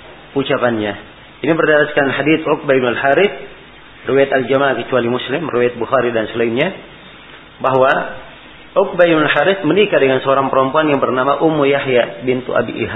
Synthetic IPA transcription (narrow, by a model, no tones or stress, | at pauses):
ut͡ʃapanɲa | inibərdaɾaskanhadiθɔk̚baib̚nalhaɾɪθ̚ | rəwajat̪ald͡ʒamakət͡ʃualimuslɪmrəwajat̪̚buxaɾidansəlainɲa | baɦwa | ʊk̚baibnulhaɾɪθmənikadəŋansəoɾaŋpəɾɔmpuanjaŋbərnamaʔumʊjahjabint̪ṵa̰bḭʔḭɦa